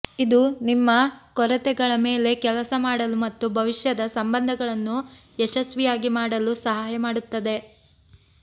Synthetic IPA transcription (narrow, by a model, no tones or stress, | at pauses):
id̪unimːɐkɔɾɐt̪ɛɡɐɭɐme̞ːle̞kɛlɐsɐmaːɽɐlumɐt̪ːubʱɐʋiʂjɐd̪ɐsɐmbɐnd̪ʱɐɡɐɭɐnːu | ɛʃɐsʋijaːɡimaːɽɐlusɐɦaːjɐmaːɽut̪ːɐd̪e̞